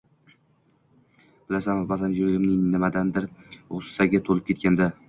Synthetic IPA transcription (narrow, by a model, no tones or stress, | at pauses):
b̥ɪlasanbazamjoɾɪɾʲɪmnɪŋnɪmad̪and̪ɪɾosɪ̥saɡʲat̪ʰolˠɪp̚kʰʲe̞t̪̚kʲand̪a